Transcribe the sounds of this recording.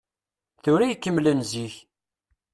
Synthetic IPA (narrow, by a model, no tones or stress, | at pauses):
θʊɾæjkːəmːlənziç